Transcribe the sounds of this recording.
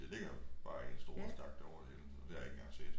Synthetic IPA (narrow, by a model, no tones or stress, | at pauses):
æle̝ɡ̥ɐb̥ɑ̈ːensd̥o̝ːɐsd̥ɑ̈ɡ̥̚d̥æɒʊɐd̥eenɒd̥eæɐe̝ɡ̥jɑhɑse̝̰ːd̥